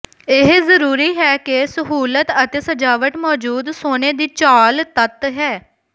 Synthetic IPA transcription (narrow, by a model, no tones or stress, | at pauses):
ɪɦzəɾuːɾiːɦɛːkɪsəɦuːlət̪ət̪eːsəd͡ʒaːʋəʈmɔːd͡ʒuːd̪soːneːd̪iːt͡ʃaːlt̪ət̪ɦɛː